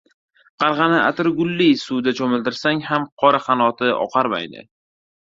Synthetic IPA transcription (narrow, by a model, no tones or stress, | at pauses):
qʰɑɾʁɑnɪʔa̰t̪ɪɾɡʊlːisud̪at͡ʃʰɒmɪld̪ɪɾsaŋhamqʰɒɾaχɑnɒt̪ʰɪɒ̰qʰɑɾma̰jnɪ̰